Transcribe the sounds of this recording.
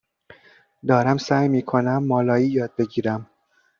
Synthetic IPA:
d̪ɒːɾæmsæːjmiːkʰo̞næmːɒːlɒːiːjɒːd̪̚be̞ɟiːɾæm

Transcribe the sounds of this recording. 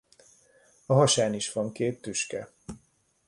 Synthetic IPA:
ɒɦɒʃaːniʃʋɒŋkeːt̪ːyʃkɛ

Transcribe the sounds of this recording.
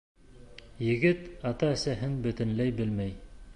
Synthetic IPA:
jɘ̆ɡɘt̪ɑt̪ɑɘ̆sæɦɘnbɵ̆t̪ɘ̆nlæjbɘlmæj

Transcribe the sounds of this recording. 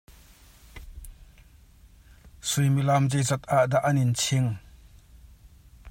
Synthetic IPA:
sujmilamzejzɐt̪aʔd̪aʔɐnint͡sʰiŋ

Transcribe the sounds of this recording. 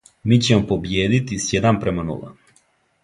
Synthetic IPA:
miːt͡ɕemopo̞bjeːd̪it̪isjed̪ampɾemanṵlˠa̰

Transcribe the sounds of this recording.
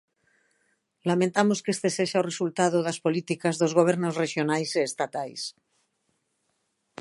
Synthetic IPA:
lamẽnt̪amoskest̪e̞seʃauresult̪aðoðaspolit̪ikazðozɣoβ̞eɾnosreʃjonajseːst̪at̪ajs

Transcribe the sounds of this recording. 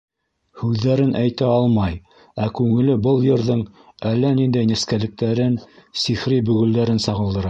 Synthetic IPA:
hʉðːæɾɘnʔæjt̪æɑlˠmɑj | ækʉŋɘ̆lɘbɤlˠjɤ̆ɾðɤɴ | ælːænind̪æjnæ̆skælɘ̆k̚t̪æɾɘnsiχɾibɵ̆ɣɵ̆ld̪æɾɘnsɑʁɤ̆lˠd̪ɤ̆ɾɑ

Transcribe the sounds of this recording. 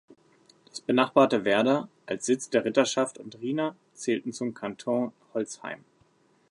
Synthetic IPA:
d̥asb̥ənaχb̥aːɐtəvɛɐdɐʔalsz̥ɪt͡sd̥eːɐʁɪtɐʃaftʊntʁiːnɐ | t͡sɛːltn̩t͡sʊmkʰantʰõhɔlt͡sha̰ɪm

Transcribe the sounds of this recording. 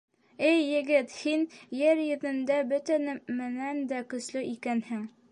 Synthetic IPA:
ɘjːɘ̆ɡɘt̪hinjɘɾjɘ̆ðɘ̆nd̪æbɵ̆t̪ænɘmɘ̆nænd̪ækɵ̆slɘʔikænhɘŋ

